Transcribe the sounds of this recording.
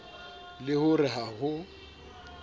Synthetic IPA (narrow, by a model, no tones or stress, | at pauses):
lɪhʊrɪɦahʊ